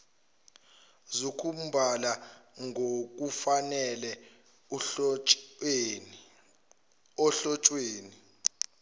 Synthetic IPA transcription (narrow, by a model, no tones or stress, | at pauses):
zukʰum̩bʱalaŋʱok̬ufanɛlɛ | ɔɬɔt͡ʃʼweːni